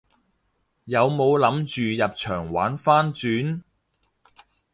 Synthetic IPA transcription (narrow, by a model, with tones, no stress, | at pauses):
jɐ˨˧wmo˨˧wlɐ˨˧˥mt͡ʃyː˨jɐ˨p̚t͡ʃʰœː˨˩ŋwa̰ː˨˥nfaː˥nt͡ʃyː˨˥n